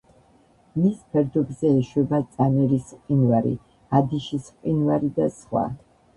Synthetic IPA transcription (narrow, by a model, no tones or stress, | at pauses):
mispʰɛɾd̪ɔbzɛːʃwɛbat̪sʼanɛɾisqʼinvaɾḭ | ad̪iʃisqʼinvaɾid̪asχwa̰